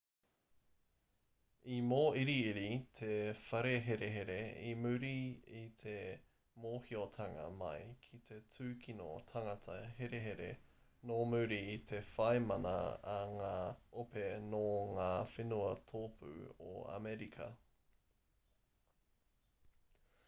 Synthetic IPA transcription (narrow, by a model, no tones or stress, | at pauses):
imoːiɾiːɾit̪ʰefɐɾeɦeɾeɦeɾeimʉɾiit̪ʰe | moːhiot̪ʰɐŋɐ̰mɐ̰jkʰit̪ʰe̞t͡sʰʉːkʰino̰t̪ʰɐŋɐtʰɐheɾeɦeɾḛ | nomʉɾiit̪ʰe̞fɐejmɐnɐ̰ːŋaːopenoŋaːfenuɐt̪ʰoːpʰʉ̰o̰a̰mɛɾikʰɐ̰